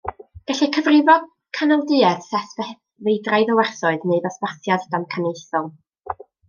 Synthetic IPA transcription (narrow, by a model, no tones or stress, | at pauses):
ɡ̥aɬɛkʰəvrɪvɔd | kʰanɔlˠdɨɛθsɛθvɛ | vejdrajðəwɛrθɔɨðneɨðɔspaθjaddamkʰanejθɔlˠ